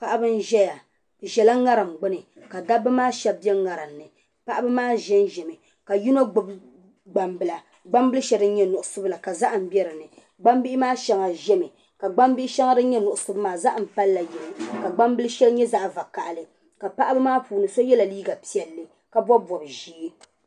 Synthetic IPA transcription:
pa˦ʔa˦bɨ˦n˦ʒɛ˦ja˨ | ʒɛ˨la˦ŋa˦ɾɨ˨mɡ͡bɨ˦nɨ˨ | ka˨da˦bɨ˦maː˦ʃɛ˦b̚bɛ˦ŋa˨ɾɨ˨mnɨ˨ | pa˦ʔa˦bɨ˦maː˦ʒɛ˦nʒɛ˨mɨ˨ | ka˨ji˦no˦ɡ͡bb | ɡ͡ba˨mbɨ˨la˨ | ɡ͡ba˦mbɨ˦lɨ˦ʃɛ˦dɨ˦n̩˦ɲɛ˦nʊ˨ʔʊ˨sʊ˦bla˨ka˨za˦ʔm̩˨bɛ˦ɾɨ˨nɨ˨ | ɡ͡ba˦mbi˦ʔɪ˦maː˦ʃɛ˨ŋa˨ʒɛ˦mɨ˨ | ka˨ɡ͡ba˦mbi˦ɪ˦ʃɛ˦ŋa˦dɨ˦ɲɛ˦nʊ˨ʔʊ˨sʊ˦bmaː˨za˦ʔm̩˨pa˦lːa˨jɛ˨nɨ˨ka˨ɡ͡ba˦mbɨ˦lɨ˦ʃɛ˦lɲɛ˦za˦ʔva˨ka˨ʔlɨ˨ | ka˨pa˦ʔa˦bɨ˦maː˦puː˨nɨ˨so˦jɛ˦la˨liː˦ɡa˨pi˦ɛ˨lːɨ˨ | ka˨bɔ˦bɔ˨ɾɨ˨ʒiː˦

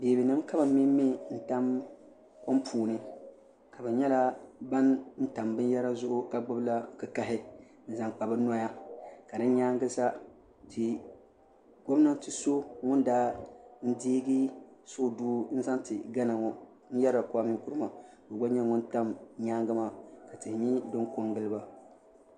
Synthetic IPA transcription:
beː˨bɨ˨nɨ˦mka˦ba˨mi˦mːi˦n̩˨ta˦m | kɔ˦mpʰuː˨nɨ˨ | ka˨bɨ˨ɲɛ˦la˦ba˦nn̩˦ta˨mbɨ˦n˦jɛ˦ɾa˦zʊ˦ʔʊ˦ka˨ɡ͡bʊ˦bla˦kɨ˨ka˨ɦɪ˦ | n̩˦za˦ŋk͡pa˨bɨ˦na˦ja˦ka˨dɨ˦ɲaː˦ŋ˦ɡɨ˦sa˦ | tʰɪ˨ | ɡo˦m˦na˦tɨ˨so˦ŋʊ˦ndaː˦n̩˦diː˦ɡi˦so˦˨duː˦n̩˦za˦ntɪ˨ɡa˦na˨ŋɔ˨ | n̩˦jɛ˦ɾa˨kʊ˦a˦mɪ˦ŋku˦ɾɨ˦ma˨ | bɨ˨ɡ͡ba˦ɲɛ˦ŋʊ̃˦nta˦mɲaː˦ŋɡɨ˦ma˨ka˨tɨ˨hɲi˦dɨ˦ŋko˦ŋɡɨ˦lɨ˦ba˨

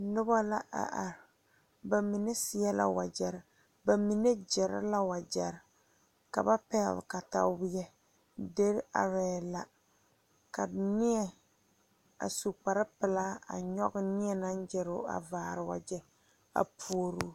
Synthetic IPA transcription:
nʊ˦ba˦la˦ʔa̰˨ʔa˨ɾ | ba˨mi˨ne˦sɪ˨ɛ˦la̰˦wa̰˨d͡ʒɛ˨ɾɪ˨ | ba˨mi˨ne˦d͡ʒɛ˨ɾɪ̰˦la˦wa˨d͡ʒɛ˨ɾɪ˨ | ka̰˨ba˦pɛ˦˨lka˨ta̰˨˦bjɛ˦ | de˦ɾa̰˨ɾɛː˨la˦ | ka˨nɪ˦ɛ˨ | a̰˨su˨pa˨ɾɨ˦pɨ˨la˦a̰˨ɲɔ̰˦ɡɨ˦nɪ˦ɛ˦na˦n˦d͡ʒɛ˨ɾʊ̰˦a̰˨vaː˨ɾɨ˨wa̰˨d͡ʒɛ˦ | a̰˨pʰu˦o˦ɾu˦

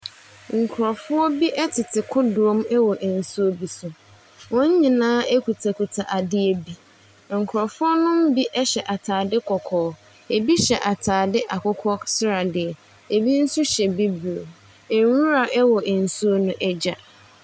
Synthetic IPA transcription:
ŋ̩˨kʰʊ˨ɾɔ˨fʊ˦ɔ˦bi˦ʔɛ˦tʰɪ˨tʰɪ˨kʰʊ˦dʊ˨ɔ˦mɛ˦wɔ˨ʔn̩˨su˦o˦bi˨sʊ˨ | wɔ̃˦ɲ̩˦ɲĩ˨nãː˦e˦ku˨tʰa˨kʰu˨tʰa˨ʔa˨dɪ˦e˨bi˦ | ŋ̩˨kʰʊ˨ɾɔ˨fʊ˦ɔ˦nʊ̃˦m̩˦bi˦ʔɛ˦ɕɛ˨ʔa˨tʰaː˨dɪ˦kʰɔ˨kʰɔː˨˦ | e˨bi˦ɕɛ˨ʔa˨tʰaː˨dɪ˦ʔa˨kʊ˦kʰɔ˦sɪ˦ɾa˨dɪ˨ɛ˨ | e˨bi˦n̩˦sʊ˦ɕɛ˨bi˦bu˨o˨ | e˨˦ũ˦ɾa˨ʔɛ˦wɔ˨ʔn̩˨su˦o˦nʊ̃˦ʔɛ˦d͡ʑa˨

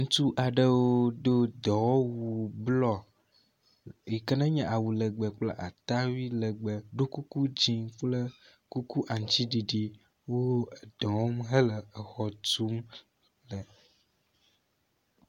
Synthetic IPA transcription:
ŋũ˦t̪u˦ʔa˨ɖə˦wo˦d̪o˦d̪ɔ˨wo˦wu˨blɔ˨ | ji˨kə˦nə̃˦ɲɛ̃˨ʔa˨wu˨lə˨ɡ͡bə˨k͡pla̰˦ʔa̰˨t̪a˦wi˦lə˨ɡ͡bə˨ɖo˦ku˦ku˦d͡ʑi˦k͡plə˦ | ku˦ku˦ʔa˨ŋ˨t͡ɕi˦ɖi˨ɖi˦ | wo˦˨d̪̥ɔ̃˨wo˦mɦə˦lə˨ə˨xɔ˨t̪u˦m | lə˨

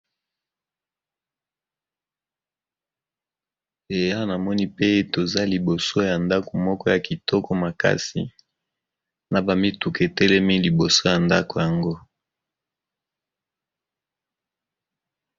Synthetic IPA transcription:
e˨ja˦na˨mɔ˦ni˦pe˦to˨za˦li˨bo˨so˦ja˨nda˦ko˨mɔ˦kɔ˦ja˨ki˨tʰɔ˦kɔ˦ma˨ka̰˦sḭ˨ | na˨ba˨mi˦tu˨ke˨tɛ˦lɛ˦mi˦li˨bo˨so˦ja˨nda˦ko˨ja˨ŋɡo˦

